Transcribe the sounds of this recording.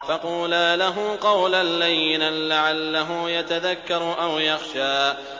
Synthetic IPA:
fɑquːlaːlaɦʊqɑwlalːajːɪnalaʕalːaɦʊjat̪aðakːɑɾˤʔawjɑxʃaː

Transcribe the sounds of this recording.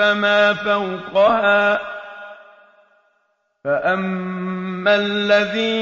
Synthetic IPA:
amaːfawqɑhaː | faʔamː | allːaðiː

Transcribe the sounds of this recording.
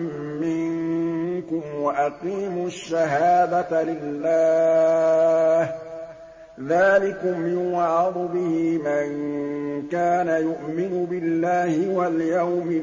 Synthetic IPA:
mːɪŋnkʊmwaʔaqiːmʊʃːaɦaːd̪alɪlːaː | h | ðaːlɪkʊmːɪnwaʕɑd̪ˤʊbɪhimankaːnajʊʔmɪnʊbɪlːaːhɪwaljawmɪ

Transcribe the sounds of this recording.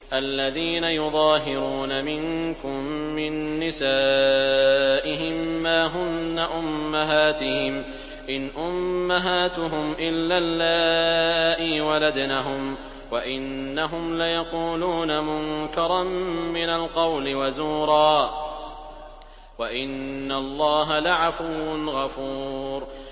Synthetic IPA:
ʔalːaðiːnajʊðˤɑːɦɪɾuːnamɪŋkʊmː | ɪnːɪsaː | ʔɪɦɪmːaːɦʊnːaʔʊmːaɦaːt̪ɪhɪm | ʔɪnʔʊmːaɦaːt̪ʊɦʊmʔɪlːalːaːʔɪwalad̪naɦʊm | waʔɪnːaɦʊmlajɑquːluːnamʊŋkɑɾˤɑmmɪnalqɑwlɪwazuːɾˤɑː | waʔɪnːalˤːɑːɦalaʕafʊwnɣɑfuːɾ

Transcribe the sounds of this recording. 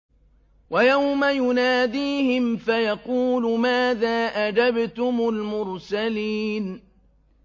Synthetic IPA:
wajawmajʊnaːd̪iːhɪmfajɑquːlʊmaːðaːʔad͡ʒabt̪ʊmʊlmʊɾsaliːn

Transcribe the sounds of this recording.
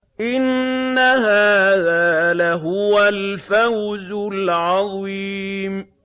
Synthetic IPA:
ʔɪnːahaːðaːlaɦʊwalfawzʊlʕɑðˤiːm

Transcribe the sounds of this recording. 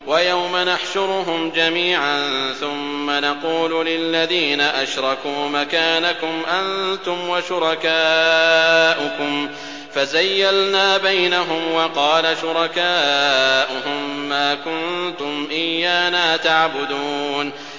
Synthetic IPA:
wajawmanaħʃʊɾɦʊmd͡ʒamiːʕannθʊmːanɑquːllɪlːaðiːnaʔaʃɾˤɑkuːmakaːnakʊmʔant̪ʊmwaʃʊɾˤɑkaː | ʔʊkʊm | fazajːalnaːbajnaɦʊmwɑqɑːlaʃʊɾˤɑkaːʔʊɦʊmːaːkʊnt̪ʊmʔɪjːaːnaːt̪aʕbʊd̪uːn

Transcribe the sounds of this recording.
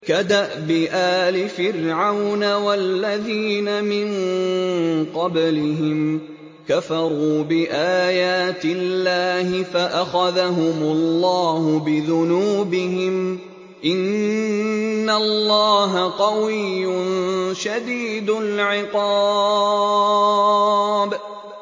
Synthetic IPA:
kad̪aʔbɪʔaːlɪfɪrʕawnawalːaðiːnamɪn | qɑblɪɦɪm | kafɑɾˤuːbɪʔaːjaːt̪ɪlːaːhɪfaʔaxaðaɦʊmʊlːɑːhʊbɪðʊnuːbɪhɪm | ʔɪn | alːɑːɦaqɑwɪjːʊnʃad̪iːd̪ʊlʕɪqɑː | b

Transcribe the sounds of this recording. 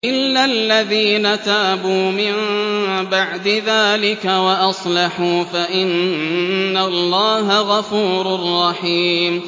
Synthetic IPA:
ʔɪlːalːaðiːnat̪aːbuːmɪmbaʕd̪ɪðaːlɪkawaʔɑsˤlɑħuːfaʔɪnː | alˤːɑːɦaɣafuːɾʊrˤːɑħiːm

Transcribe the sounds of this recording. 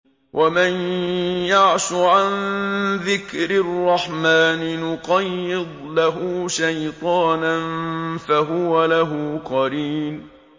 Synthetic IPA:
wʔamanjaʕʃʊʕanðɪkɾɪrˤːɑħmaːnɪnʊqɑjːɪd̪ˤlaɦʊːʃajt̪ˤɑːnanfaɦʊwalaɦʊqɑɾiːn

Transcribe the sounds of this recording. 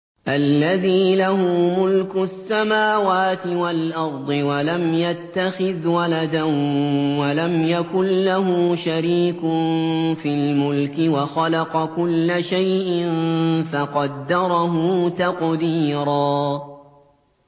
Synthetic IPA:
ʔalːaðiːlahʊːmʊlkʊsːamaːwaːt̪ɪwalʔɑɾˤd̪ˤɨwalamjat̪ːaxɪðwalad̪anwalamjakʊnːaɦʊːʃaɾiːkʊnfiːlmʊlkɪwaxɑlɑqɑkʊlːaʃajʔɪnfɑqɑd̪ːɑɾˤɑɦʊːt̪ɑqd̪iːɾˤɑː

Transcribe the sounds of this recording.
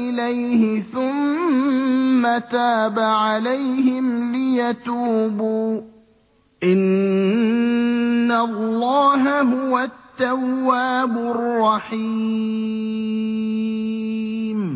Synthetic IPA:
ɪlajhɪθʊm | at̪aːbaʕalajhɪmlɪjat̪uːbuː | ʔɪn | allːɑːɦaɦʊwat̪ːawːaːbʊrˤːɑħi | m

